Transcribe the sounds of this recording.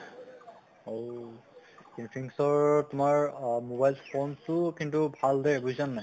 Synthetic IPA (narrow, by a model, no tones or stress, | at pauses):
o | inpʰiŋsɔɹtumaɹmobajlfʰɔnsʊkintubʱaldɛbuzanːaj